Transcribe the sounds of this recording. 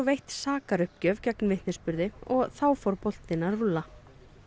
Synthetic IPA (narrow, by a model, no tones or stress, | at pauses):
vejht̪saːkaɾʏhpcœːvcɛknvɪht̪nɪspʏɾðɪɔɣθawfɔɾpol̥t̪ɪnaðrʏlːa